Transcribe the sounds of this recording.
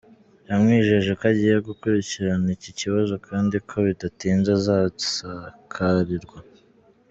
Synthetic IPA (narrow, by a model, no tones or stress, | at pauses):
jamŋiːʒeʒekaɟiːjeɡukuɾiciɾaniciciβazo̞kʰaːndikʰo̞βidatiːnzazasakʰaɾiɾɡwa